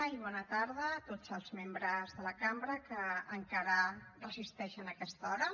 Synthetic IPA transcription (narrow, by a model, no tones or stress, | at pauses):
iβɔnət̪aɾðət̪od͡zəlˠzmembɾəzðələkambɾəkəːŋkaɾərəzist̪ɛʃənəkɛst̪ɔɾə